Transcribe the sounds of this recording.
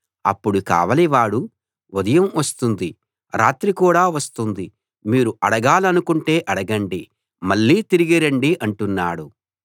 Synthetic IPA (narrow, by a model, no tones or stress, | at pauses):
ɐ̰pːuɽuka̰ːʋɐliʋaːɽu | ʋod̪ɐjɐmʋɐst̪und̪i | ɾaːt̪ɾikuːɽaːʋɐst̪und̪i | miːɾuʔɐɽɐɡaːlɐnukuɳʈe̞ːʔɐɽɐɡɐɳɖi | mɐɭːiːt̪iɾiɡiɾɐɳɖiʔɐɳʈunːaːɽu